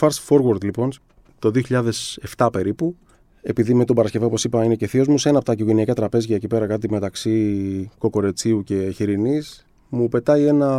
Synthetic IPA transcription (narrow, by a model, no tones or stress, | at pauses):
fɐɾsfo̞ɾɣɐɾd̪lipo̞n | t̪o̞ðioçiʎɐðe̞se̞ft̪ɐpe̞ɾipu | e̞piðimet̪obɐɾɐsce̞vɐopo̞sipɐine̞ce̞θio̞zmuse̞nɐpot̪ɐikoʝe̞niɐkɐt̪ɾɐpe̞zʝɐecipe̞ɾɐkɐt̪ime̞t̪ɐksiko̞ko̞ɾe̞t͡siuce̞çiɾinis | mupe̞t̪ɐie̞nɐ